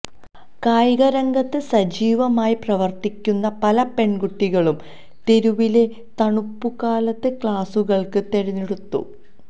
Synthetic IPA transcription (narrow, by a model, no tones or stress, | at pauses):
kaːjɣɐɾɐŋɡɐt̪ːɨsɐd͡ʑiːʋɐmaːjiprɐʋɐrt̪ikʲːunːɐpɐlɐpe̞ɳɡuʈːiɣɐɭum | t̪eɾuʋile̞ | t̪ɐɳupːukaːlɐt̪ːɨkɭaːsuɣɐɭkɨt̪e̞ɾɐnːiɽut̪ːṵ